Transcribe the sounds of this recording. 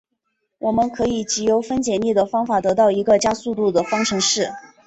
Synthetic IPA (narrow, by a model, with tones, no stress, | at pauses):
wʔɔ˨˩mə˦nkʰɤ˧˥i˨˩t͡ɕi˧˥jo˧˥ʊfə˥nt͡ɕjɛ˨˩nli˥˩d̪ə˩fɑ˥ŋfa˨˩t̪ɤ˧˥t̪ɑ˥˩ʊi˧˥ɡə˧t͡ɕja˥su˥˧t̪u˥˩d̪ə˩fɑ˥ŋʈ͡ʂʰɤ˧˥ŋʂɻ̩˥˩